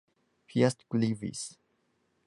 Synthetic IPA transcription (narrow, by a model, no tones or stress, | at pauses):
pʰiast̪ɡlivḭs